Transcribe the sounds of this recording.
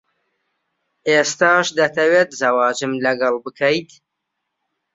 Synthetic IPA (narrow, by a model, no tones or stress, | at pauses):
eːst̪aːʃd̪ɐt̪ʰɐweːt̪zɐwɑːd͡ʒɨmlɐɡɐlˠbɨkʰɐjt̪